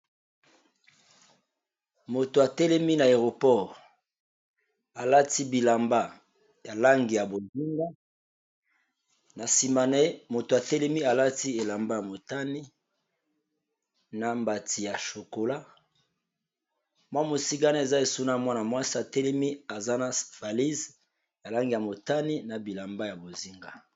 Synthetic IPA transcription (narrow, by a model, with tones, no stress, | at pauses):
mo˨to˨a˨tɛ˦lɛ˦mi˦na˨e˨ʁo˨pɔ˦˨ʁ | a˨la˦ti˦bi˨la˨mba˦ | ja˨la˦ŋɡi˨ja˨bo˨zi˦ŋɡa˦ | na˨si˨ma˨nɛ˦mo˨to˨a˨tɛ˦lɛ˦mi˦a˨la˦ti˦e˨la˨mba˦ja˨mo˨ta˦ni˦ | na˨mba˨tʰi˨ja˨ʃo˨ko˨la˦ | mwa˦mo˨si˦ɡa˦na˦e˨za˦e˨su˦na˦˨mwa˦na˨mwa˦si˦a˨te˦lɛ˦mi˦a˨za˦na˨va˨li˦z | ja˨la˦ŋɡi˨ja˨mo˨ta˦ni˦na˨bi˨la˨mba˦ja˨bo˨zi˦ŋɡa˦